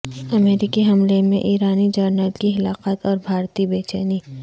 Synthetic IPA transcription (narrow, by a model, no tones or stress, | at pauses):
ɐmeːɾɪkiɦɐmlemḛ̃ʔiːɾaːnid͡ʒəɾnəlkixɪlaːqət̪ɔːɾbʱaːɾt̪ibeːt͡ʃəniː